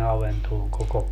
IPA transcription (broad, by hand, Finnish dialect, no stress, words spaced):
ɑʋentoːŋ koko